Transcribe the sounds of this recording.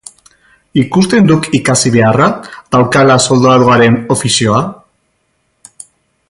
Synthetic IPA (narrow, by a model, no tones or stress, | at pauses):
ikust̪e̞nd̪ukikasiβe̞arað̥awkalaso̞ld̪oaɾoaɾe̞no̞fisio̞a